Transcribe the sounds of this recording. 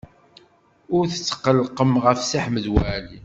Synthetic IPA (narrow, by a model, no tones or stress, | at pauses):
ʊɾθə̥t͡sːə̥qəlqəmʁəfsiħməðwæʕli